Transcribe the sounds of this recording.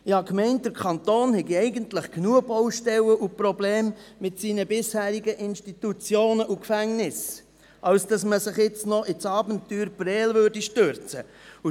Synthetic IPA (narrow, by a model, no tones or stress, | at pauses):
ɪhɑkmɛɪnt̚d̥əɾkʰɑnt̪oːnhɛɡiɛɪɡəntləχknuəbɔwʃtɛwəʔupɾobleːmmɪtsiːnəbɪshæːɾiɡəʔɪnʃtitut͡sjoːnəʔukfæŋnɪs | ʔɑlsd̥ɑsməsɪχjɪt͡snɔʔɪt͡sɑːbəntːyːɾbɾɛːlvøɾdiʃtøɾt͡səu